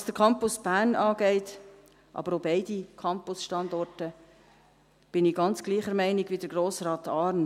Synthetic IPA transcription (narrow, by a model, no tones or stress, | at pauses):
ɑsd̥əɾkʰɑmpʊsb̥æːrnɑːɡɛɪt | ʔɑ̰b̥əɾoːbɛɪd̥ikʰɑmpʊsʃtɑndɔrtə | b̥ɪnɪɡ̥ɑnt͡sɡ̥liːχəɾmɛɪnɪɡvidəɾɡroːsrɑːtɑːrn